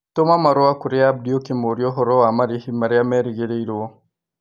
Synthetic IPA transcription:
tomamaɾoakuɾeab̚diokimoɾjoɦɔɾoamaɾihimaɾiamɛɾiɣeɾeiɾwo

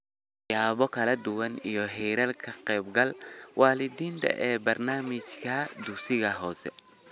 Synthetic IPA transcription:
jaːβɔkʰɐlɐd̪ʊwɐnijɔɦɛːɾɐlkʰɐqɛjbɡɐlwaːlɪd̪iːnt̪ʰɐ̰ʔɛːbɐrnaːmɪt͡ʃkʰɐd̪ʊksɪɣɐɦɔːsɛ̰

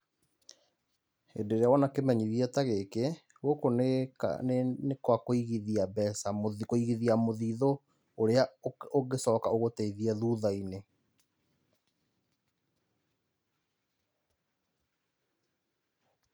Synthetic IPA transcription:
ḛndeɾeawɔnakemɛɲiðiɛtaɣeke | ɣokoneka̰nenekwakoiɣiðiabɛsamoðkoiɣiðiamoðiːðo | oɾeaoɡesɔkaoɣotɛiðiɛðuːðaine

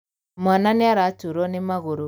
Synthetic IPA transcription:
mananeaɾatuɾɔnemaɣoɾo

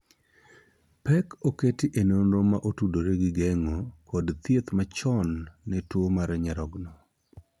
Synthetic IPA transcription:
pɛkoketɪʔenonɾomaʔotudoɾeɡɪɡɛŋokɔdt̪jet̪mat͡ʃɔnːɛtwomaɾɛɲɛɾɔɡnɔ

